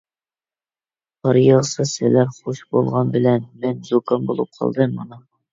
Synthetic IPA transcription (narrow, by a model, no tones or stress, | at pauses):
bɑɾjɑʁsɨsɪlæɾχoʃbolˠʁɑnbɪlɛnmɛnzokɑnbolˠup̚qʰɑ̰lˠd̪ɨːɑnu